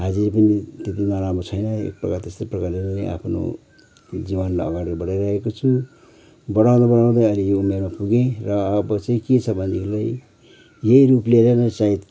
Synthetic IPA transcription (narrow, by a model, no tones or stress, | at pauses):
ɦad͡ziɾpʌnit̪et̪inaɾamot͡sʰʌjnʌḛk̚prʌkat̪est̪eprʌkarlenea̰pʰno̰ | d͡zibanlaʌ̰ɡaɽibʌɽajɾaɦekot͡sʰu | bʌɽaw̃d̪ʌbʌɽaw̃d̪ajʌlijoumermapuɡẽrʌːbʌt͡saĩkesʰʌbʱʌnikʰlaj | jeiɾuplelenʌt͡sait̪